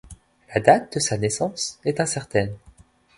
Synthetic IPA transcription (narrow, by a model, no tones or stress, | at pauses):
lad̪at̪̚d̪əsanɛsɑ̃sɛt̪ɛ̃sɛʁt̪ɛn